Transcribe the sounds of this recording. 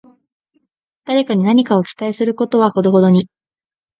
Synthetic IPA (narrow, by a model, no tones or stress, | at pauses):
d̪̥aɾe̞kaɲ̟inaɲ̟ikao̞kʲi̥t̪aisɨɾɯ̟ko̞t̪o̞βaho̞d̪o̞ɦo̞d̪o̞ɲ̟i